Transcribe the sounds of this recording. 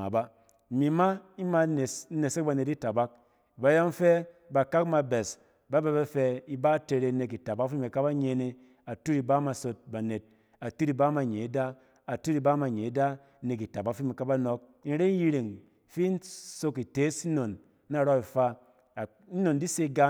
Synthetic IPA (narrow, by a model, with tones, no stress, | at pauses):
a̰˨ba˦˨ | mi˨˦ma˦i˦ma˧˨˦ne˨se˦k̚ba˧ne˨ti˦ta˨ba˦k̚ | i˨ba˨˦jɔ˦m˦fe˦ba˨ka˦kma˧be˨s | ba˨˦be˧be˦fe˧i˨ba˦te˧ɾe˧˦ne˨k̬i˨ta˨ba˦kfi˦me˨ka˦ba˦ɲe˧ne˧ | a˨tu˦ɾi˧ba˦ma˧so˧t̚ba˨ne˨t̚ | a˨tu˦ɾi˧˨ba˦ma˨ɲe˨i˦da˦ | a˨tu˦ɾi˧ba˦ma˨ɲe˨i˦da˦ | ne˨k̬i˨ta˨ba˦kfi˦me˨ka˦ba˦nɔ˨˦k̚ | i˦n˦ɾe˦ji˧ɾe˨ŋ˨ | fi˦n˦so˧ki˨te˨˦si˦no˨nː | a˦˨ɾɔ˦i˨fa˧˨ | i˦no˨ndi˦se˧˦ɡa˧